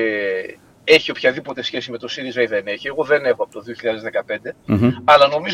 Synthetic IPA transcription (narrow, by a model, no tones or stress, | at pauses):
e̞çio̞pçɐðipo̞t̪e̞sçe̞sime̞t̪o̞siðizɐiðene̞çie̞ɣo̞ðe̞ne̞xo̞ɐpot̪oðioçiʎɐðezðe̞kɐpe̞nd̪e̞ɐlɐno̞miz